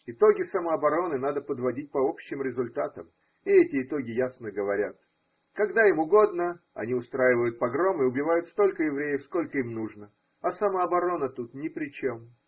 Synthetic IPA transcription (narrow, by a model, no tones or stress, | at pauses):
ɪt̪o̞ɡʲɪsəməɐbɐɾo̞nɨnad̪əpəd̪vɐdʲit̚ʲpɐo̞pɕːɪmɾʲɪzʊlʲt̪at̪əm | ɪɛtʲɪːt̪o̞ɡʲɪjasnəɡəvɐɾʲa̰t̪ | kɐɡd̪aimʊɡo̞d̪nə | ɐ̰nʲiʊst̪ɾajɪvəjʊt̪̚pɐɡɾo̞mɪʊbʲɪvajʊt̪st̪o̞lʲkəjɪvɾʲejəfsko̞lʲkəimnuʐnə | ɐsɐməɐbɐɾo̞nət̪ut̪nʲɪpɾʲɪt͡ɕem